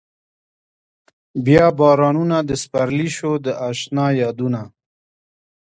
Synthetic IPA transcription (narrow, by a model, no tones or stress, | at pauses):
bjɑbɑɾɑnunad̪əspaɾliʃod̪əʔaʃnɑjɑd̪una